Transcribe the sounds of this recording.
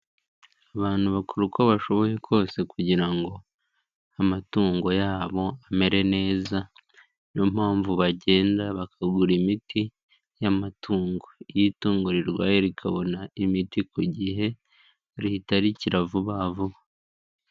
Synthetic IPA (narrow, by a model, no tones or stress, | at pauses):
aβaːn̥huβakuɾuko̞βaʃo̞βo̞je̞kʰo̞ːse̞kuɟiɾaŋɡo̞ | amatuːŋɡo̞jaːβo̞ame̞ɾe̞ne̞ːza | nomhaːɱvuβaɟe̞ːndaβakaɡuɾimiti | jamatʰuːŋɡo̞jituːŋɡoɾiɾɡwa̰ːjeɾikʰaβo̞naimitikuɟiɦe̞ | ɾihitaɾiciɾavuβaːvuβa